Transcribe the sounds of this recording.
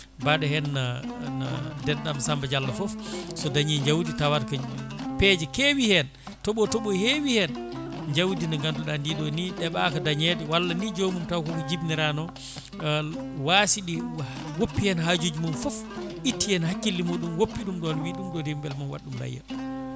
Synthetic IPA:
baɗɛhɛnːana̰dɛnɗamsambad͡ʒalːafɔfsɔdaɲɛɲd͡ʒawditawaɾkaɲpɛd͡ʒɛkewihɛn | tɔɓɔtɔɓɔhewihɛn | ɲd͡ʒawdinaŋɡanduɗandiɗɔniɗɛɓakadaɲɛdɛwalːanid͡ʒomumtawkɔkɔd͡ʒibniɾanɔ | wasiɗi | wopːihɛnhad͡ʒod͡ʒimumfɔfʔitːihɛnhakːilːimuɗumwopːiɗumɗɔnwiɗumɗɔdimbɛlmanwa̰ɗːumla̰jːa̰

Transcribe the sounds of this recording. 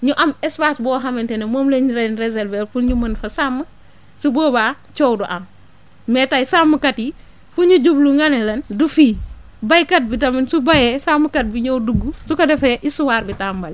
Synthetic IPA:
ɲuʔɐmɛspaːsbɔːɦɐmɐntɛnɛmɔːmleɲuɾɛnɾezɛlvɛlfuɲumɐnfɐsamːə | subɔːbaː | t͡ʃɔwduʔɐm | mɛtajsamːəkɐti | fuɲuɟubluŋɐnɛlɐndufiː | bɐjkɐt̚bitɐminsubɐjɛsamːəkɐt̚biɲɔwduɡːusukɐdɛfɐʔisuwaːɾbitaːmbɐl

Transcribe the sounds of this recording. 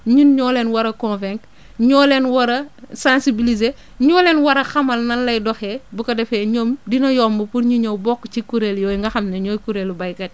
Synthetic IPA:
ɲunɲɔːlenwɐɾɐkɔ̃nfɛ̃ŋk | ɲɔːlenwɐɾɐsãnsibilize | ɲɔːlenwɐɾɐxɐmɐlnɐnlɐjdɔxɛbukɐdɛfɛɲoːmdinɐjɔːmbupuɾɲuɲowbɔkːt͡ʃikuɾeljoːiŋɡɐxɐmneɲoːjkuɾelubɐjkɛt

